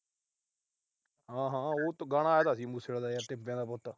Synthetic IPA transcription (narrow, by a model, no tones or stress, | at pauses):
ɦãːɦãːoːt̪ːɡaːɽ̃aːjaːt̪aːsiːmuːseɽd̪aːjaːt̪ɪpːẽːd̪aːpɔːt̪aː